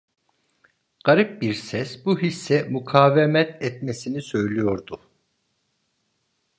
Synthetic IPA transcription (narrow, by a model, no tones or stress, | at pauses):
ɡ̥aɾip̚biɾsɛsbuɦisːɛmukʰaːvɛmɛt̪ʰɛt̪mesinisø̞jlʲijo̞ɾd̪ʊ